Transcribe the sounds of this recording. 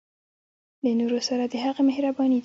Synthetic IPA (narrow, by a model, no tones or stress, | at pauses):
lənoɾosaɾad̪əɦaɣamɪhɾabɑnid̪